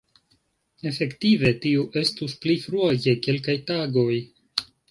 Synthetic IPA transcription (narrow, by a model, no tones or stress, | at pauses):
e̞fe̞ktive̞tiuʔe̞stusplifɾuake̞ke̞lkajtaɡo̞j